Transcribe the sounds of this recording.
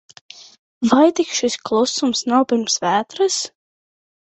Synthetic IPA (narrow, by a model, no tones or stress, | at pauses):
vajt̪ikʃisklˠusumsnawpiɾmsvæːt̪ɾɨs